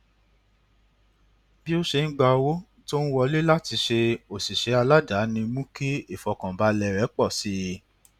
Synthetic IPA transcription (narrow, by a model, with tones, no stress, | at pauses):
bi˦o˦ʃe˧n̩˦ɡ͡ba˧wo˦ | to˦ñ̩˦wɔ˧le˦la˦ti˧ʃe˧o˨si˨ʃe˨˦a˧la˦da˨˦nĩ˧mũ˦ke˦i˦˨fɔ˧kã˨ba˨˦lɛ˨ɾɛ˨˦k͡pɔ˦˨si˨˦